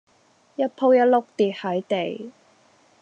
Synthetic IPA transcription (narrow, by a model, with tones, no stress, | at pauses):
jɐ˥t̚pʰo˥wjɐ˥t̚lʊ˥k̚t̪iː˨t̚hɐ˨˥jt̪e˨j